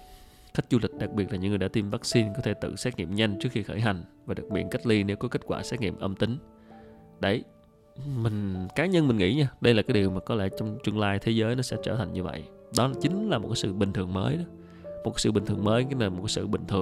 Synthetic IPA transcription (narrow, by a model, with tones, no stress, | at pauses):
xa˦˥k̟̚zu˧lï˨˩k̟̚ɗa˨˩k̚ɓi˨˩ət̚laː˨ɲɨ̰˧˥ŋ˨˩ɗa̰ː˧t̪i˧mvaː˦˥k̚si˧nkɔ˨˦t̪ʰe˧˩t̪ɨ̰˧˨sɛ˦˥t̚ŋḭ˧˨əmɲa˧jŋ̟t͡ɕɨ˦˥k̚xi˧xəː˧˩jɦa˨˩jŋ̟vaː˨˩ɗa˨˩k̚ɓḭ˧˩ən̚ka˦˥k̚li˧ne˨˦wkɔ˨˦ke˦˥t̚kwa̰ː˧˩sɛ˦˥t̚ŋḭ˧˨əmʔə˧mt̪ï˨˦ŋ̟ | ɗə˧˩j | mï˨˩ŋ̟kaː˨˦ɲə˧nmi˨˩ŋ̟ŋḭ˧˥ɲaː˧ɗə˧jlaː˨˩kaː˨˦jɗi˨˩wmaː˨˩kɔ˨˦lɛ̰˧˥t͡ɕɔ˧wŋ͡mt͡ɕwi˧ənlaː˧jt̪ʰe˨˦zəː˨˦jnɔ˨˦sɛ̰˧˥t͡ɕəː˧˩t̪ʰa˨˩ŋ̟ɲɨ˧və̰˧˨j | ɗɔ˨˦laː˨˩t͡ɕï˨˦ŋ̟laː˨˩mo˨˩kaː˨˦sɨ̰˧˨ɓï˨˩ŋ̟t̪ʰɨ˨˩əŋməː˨˦jɗɔ˨˦ | mo˨˩t̚kaː˨˦sɨ̰˧˩ï˨˩ŋ̟t̪ɨ˨˩əməː˨˦jnaː˨˩mo˨˩t̚kːaː˨˦sɨ̰˧˨ɓï˨˩ŋ̟t̪ʰɨ˨˩əŋ